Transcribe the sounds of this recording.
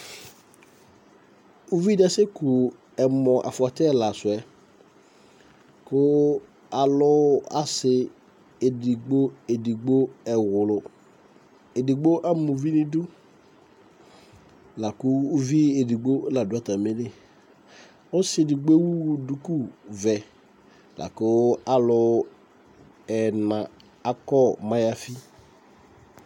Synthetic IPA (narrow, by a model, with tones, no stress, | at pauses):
u˦vi˦da˦se˦kʊ˨ | ɛ˨mɔ̃˨ʔa̰˨fʊ˨a˨tɛ˦˨la˨sʊ˨ɛ˨ | kʊ˦ | a˨lʊ˦a̰˦sɪ˨ | e˨di˨ɡ͡bo˦e˨di˨ɡ͡bo˦ɛ˨wʊ˨lʊ˨ | e˨di˨ɡ͡bo˦ʔa˦mũ˨vi˦nɪ̃˦du˦ | la˨kʊ˦u˦vi˦e˨di˨ɡ͡bo˦la˨dʊ˦a˦ta˨me˦nɪ˨ | ɔ˦sɪ˦e˨di˨ɡ͡be˦wu˦˨du˦ku˦˨vɛ˨ | lʔa̰˨kʊ˦a˨lʊ˨ | ɛ˨nã˨ | a˦kɔ˦˨mã˦ja˦fi˦